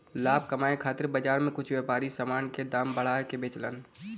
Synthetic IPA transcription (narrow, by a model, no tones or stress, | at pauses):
laːb̚ʱkɐmaːekʰaːt̪ɪɾbəd͡ʒaːɾmẽkʊt͡ʃʰweːpaːɾisəmaːnked̪aːmbəɽ̤aːkebeːt͡ʃlə̰n